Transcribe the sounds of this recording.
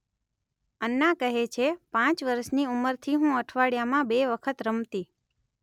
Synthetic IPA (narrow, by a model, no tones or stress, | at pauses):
ənːãkəɦet͡ʃʰepãt͡ʃʋəɾəʃniuməɾt̪ʰiɦũəʈʰʋaɽjamãbeʋəkʰət̪ɾəmt̪i